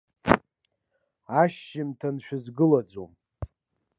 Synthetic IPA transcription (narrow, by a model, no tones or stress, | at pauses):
aʃːɪmtʰanʃᶣazɡɨlad͡zo̰m